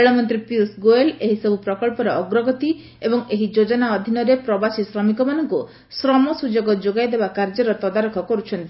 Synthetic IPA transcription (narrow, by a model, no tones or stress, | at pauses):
eɭɔmɔnt̪ɾipiusɡoeleɦisɔbʱupɾɔkɔɭpɔɾɔːɡɾɔɡɔt̪i | ebɔŋeɦid͡ʒod͡ʒɔnaɔd̪ʱinɔɾepɾɔbasisɾɔmikɔmanɔŋku | sɾɔmɔsud͡ʒoɡɔd͡ʒoɡajd̪ebakaɾd͡ʒɔɾɔt̪ɔd̪aɾɔkʰɔkɔɾut͡ʃʰɔnt̪i